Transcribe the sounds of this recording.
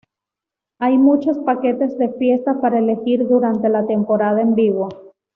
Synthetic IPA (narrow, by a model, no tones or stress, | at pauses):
ajmut͡ʃo̞spake̞t̪e̞zðe̞fje̞st̪apaɾaele̞xiɾðuɾant̪e̞lat̪e̞mpo̞ɾað̞aembiɣwo